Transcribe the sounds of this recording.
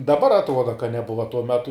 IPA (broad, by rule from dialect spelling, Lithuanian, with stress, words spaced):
dɐˈbɐr ɐtˈruɔdɐ kɐ nʲɛˈbʊʋɐ tuɔ ˈmʲæːtʊ